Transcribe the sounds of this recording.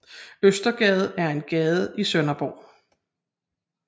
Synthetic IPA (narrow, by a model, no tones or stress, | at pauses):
øsd̥ɐɡ̥ɛːð̞̩ˠæɐe̝nɡ̥ɛːð̞̩ˠəisœnɐb̥o̰ː